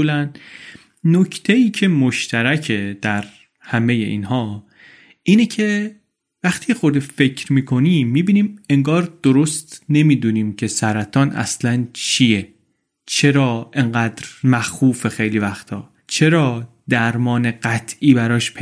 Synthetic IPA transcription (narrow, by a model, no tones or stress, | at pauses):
lænː | ocʰt̪ʰeiːcʰe̞moʃt̪ʰæɾæcʰe̞d̪̥æɾ | hæme̞je̞̰ʔḭːnhɒː | ʔiːnecʰe̞ | væxt̪ʰiːexo̞d̪efe̞cʰɾmiːkʰo̞niːmːiːbiːniːme̞ŋɡɒːɾd̪̥oɾost̪ne̞miːd̪uːniːmcʰe̞sæɾæt̪ʰɒːnʔæ̰slænt͡ʃʰije | t͡ʃʰe̞ɾɒːʔe̞ŋɢæːd̪ɾmæxuːfe̞xe̞jliːvæxt̪ʰɒː | t͡ʃʰe̞ɾɒː | d̪æɾmɒːne̞ɢæt̪ʰʔiːbæɾɒːʃpʰe